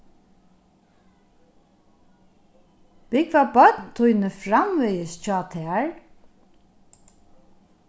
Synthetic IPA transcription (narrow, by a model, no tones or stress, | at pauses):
b̥ɪkvabœt̪nt̪ʰʊjnəfɹamvɛjəst͡ʃɑːt̪ʰɛːɹ